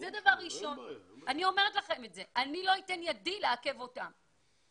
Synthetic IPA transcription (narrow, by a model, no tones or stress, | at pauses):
zed̪avaʁʁiʃo̞nanio̞me̞ʁetlaχe̞metze̞ʔanilo̞ite̞njadileake̞vo̞ta̰m